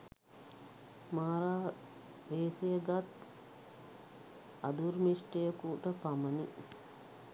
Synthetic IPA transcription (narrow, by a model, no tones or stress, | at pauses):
maːɾaː | ʋeːsejəɡat̪ | ɐ̰d̪uɾmisʈejɐkuʈəpamɐni